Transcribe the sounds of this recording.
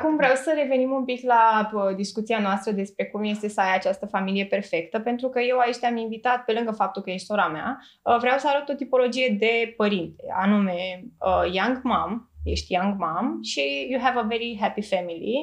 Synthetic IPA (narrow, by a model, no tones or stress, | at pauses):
kumvɾeawsəɾe̞ve̞nimumpiklaəd̪iskut̪sianoast̪ɾəd̪e̞spɾe̞kumje̞st̪e̞səajat͡ʃast̪əfamilije̞pe̞rfe̞kt̪əpe̞nt̪ɾukəje̞waet͡ʃt̪eaminvit̪at̪̚pe̞lɨŋɡəfap̚t̪ulkəje̞ʃt̪o̞ɾamea̰ | əvɾeawsəaɾət̪ot̪ipo̞lo̞d͡ʒije̞d̪e̞pəɾint̪e̞̰a̰nume̞əjaŋɡmamje̞̰ʃt̪jaŋɡmamʃijuɦɛvəveɾiɦæpifæmilḭ